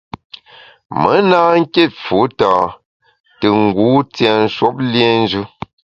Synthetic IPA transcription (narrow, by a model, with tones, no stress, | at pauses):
mə˨˦naː˦ŋ̩˦ke˦˨t̚fu˨˦taː˨ | tə˨ŋ̩˨ɡuː˨˦t͡sjɛ˨n̩˦ʃwo˦p̚ljɛ˦n̩˦d͡ʒʉ˦